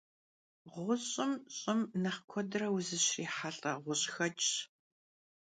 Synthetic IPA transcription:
ʁʷʊɕʼɪmɕʼɪmnɐχkʷʰɔdrɐwʊzɨɕriːħaɬʼɐʁʷʊɕxɐt͡ʃʼ

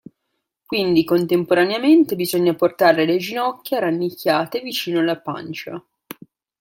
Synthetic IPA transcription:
kwind̪ikont̪empoɾaneament̪ebizoɲːaport̪aɾeled͡ʒinɔkʲːeaɾanːikʰʲːaːt̪evit͡ʃiːnoalapa̰nt͡ʃa

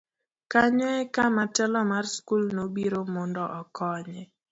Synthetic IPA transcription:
kaɲɔɛkamatɛlɔmarskulnobiɾomɔndɔʔɔkɔɲɛ

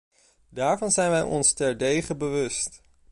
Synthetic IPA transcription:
daːɹvɑnzɛjnʋɛjʔɔ̰nstɛɹdejχəbəʋɵst

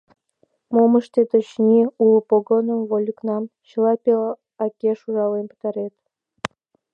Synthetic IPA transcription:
moməʃt̪et̪ot͡ɕnʲiulˠpoɡonəmvolʲuknɑmɕəlˠɑpʲel | ɑkʲeʃuʒɑlenpə̥t̪ɑɾet̪

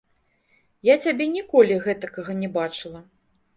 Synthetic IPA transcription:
jat͡sʲabʲɛnʲikɔlʲiɣɛt̪ɐkɐɣɐnʲɛbat͡ʂɨlˠɐ

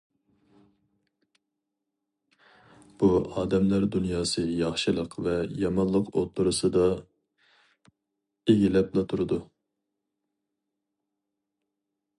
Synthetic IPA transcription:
b̥uɑːd̪ɛmlæɾd̪unjɑːsɨjɑχʃɨlˠəqvɛjɑmɑnlˠəqo̰t̪ʰuɾusɨd̪ɑ | eɡʲilɛplˠɑt̪ʰuɾɨd̪u

